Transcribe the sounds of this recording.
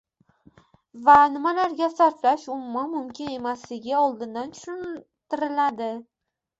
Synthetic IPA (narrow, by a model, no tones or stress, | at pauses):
vanɪmalaɾɡʲasaɾflaʃʊmʊmanmʊmkʲɪne̞maslɪɡʲɪɒlˠd̪ɪnd̪ant̪ʰʊ̥ʃʊn | t̪ɪɾɪlad̪ɪ